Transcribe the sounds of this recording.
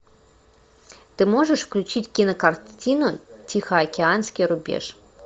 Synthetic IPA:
t̪ɨmɔʐəʂfklʲut͡ɕitʲkʲinɐkɐrt͡sʲinʊtʲixɐɐkʲɪansʲkʲijɾʊbʲḛʂ

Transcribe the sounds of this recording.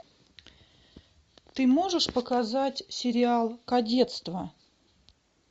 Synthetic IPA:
t̪ɨmo̞ʐɨʂpəkazatʲsʲɪɾʲɪalˠkɐdʲe̞t̪st̪və

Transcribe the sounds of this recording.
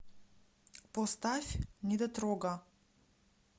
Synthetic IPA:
pɔst̪afʲnʲid̪at̪ɾɔɡa

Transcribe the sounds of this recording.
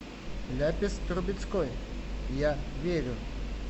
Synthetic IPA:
lʲapʲɪst̪ɾʊbʲɪt͡sʲkɔjjaʋʲeɾʲʊ

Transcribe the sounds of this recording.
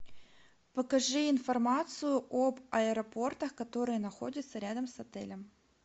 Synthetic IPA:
pɐkɐʐɨɪnfɐrmat̪sɨjʊʔobɐɛɾɐpo̞rt̪əxkɐt̪o̞ɾɨjənɐxo̞dʲɪt̪səɾʲad̪əmsɐt̪ɛ̰lʲəm

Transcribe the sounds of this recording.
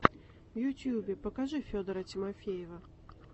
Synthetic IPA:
vjʊtʲjubʲɪpəkaʐɨfʲod̪əɾətʲɪmafʲejɪvə

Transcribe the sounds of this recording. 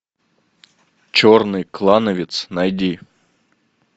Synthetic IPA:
t͡ɕornɨjklˠanəvʲɪt̪snɐjd̪ʲi

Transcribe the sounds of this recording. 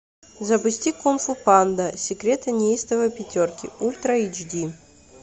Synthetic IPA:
zɐpʊsʲtʲikonfupand̪ɐsʲɪkɾʲet̪ɐnʲejst̪əvɐpʲɪtʲorkʲɪulʲt̪ɾɐid͡ʒd̪ʲi

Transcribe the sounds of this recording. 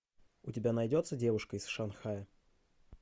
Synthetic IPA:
ʊtʲɪbʲanɐjdʲo̞t̪sːədʲe̞vʊʂkəɪsʂɐnxajə

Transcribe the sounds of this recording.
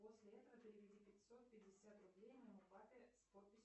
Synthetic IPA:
po̞sʲlʲɪɛt̪əvəpʲɪɾʲɪvʲɪdʲipʲɪtʲso̞t̪̚pʲɪdʲːɪsʲat̪rʊblʲejnʲəʊbat̪ʲɪspot̪̚pʲɪsʲ

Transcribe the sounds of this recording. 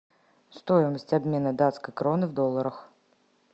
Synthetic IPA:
st̪ojɪməsʲtʲabʲmʲenɐd̪at̪skəjkɾɔnɨvd̪ɔlˠːəɾəx

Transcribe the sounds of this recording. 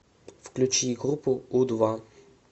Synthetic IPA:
fklʲut͡ʃiɡɾupʊud̪va

